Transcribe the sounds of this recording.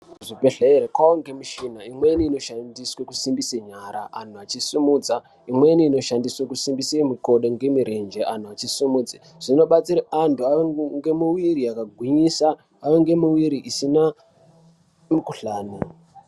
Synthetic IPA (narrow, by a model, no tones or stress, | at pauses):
ʐibʱe̞ɬeɾekwaoŋɡe̞miʃinaimweiniːno̞ʃandiswekusimbiseɲaɾa̰ʔan̤uat͡ʃisumuːd͡za | imwe̞iniːno̞ʃandiswekusimbisemiko̞ɗoŋɡe̞miɾe̞nd͡ʒe̞ʔan̤uat͡ʃisumuːd͡zi | ʐ̥ino̞ɓat͡siɾaantʰuajoŋɡe̞muwiɾiakaɡʱwiɲisaː | joŋɡe̞muwiɾiʔisina | mikuɬaːnu